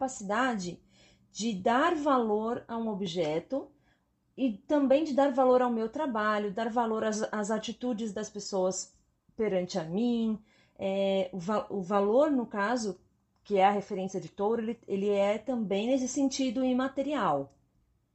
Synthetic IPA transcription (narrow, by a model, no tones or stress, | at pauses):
pasid̪ad͡ʒɪ | d͡ʒɪd̪aɾvaloɾaũobiʒɛt̪ʊ | ɪt̪ɐ̃mbẽj̃d͡ʒɪd̪aɾvaloɾawmewt̪ɾabaʎʊd̪aɾvaloɾɐɐzat͡ʃit̪ud͡ʒɪzd̪ɐspesoɐs | peɾɐ̃nt͡ʃɪɐmĩ | ɛʊvaʊvaloɾnʊkazʊ | kɪɛɐɦefeɾẽsiɐd͡ʒɪt̪oɾʊelɪelɪɛt̪ɐ̃mbẽj̃nes̬ɪsẽnt͡ʃid̪ʊɪ̃mat̪eɾiaw